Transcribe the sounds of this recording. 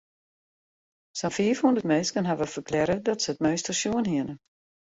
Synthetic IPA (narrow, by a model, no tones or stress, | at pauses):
sənfiəfhundərtmenskənɦaʋəfərklɛɾədɔtsəət̚møɥstəsjuənɦiənə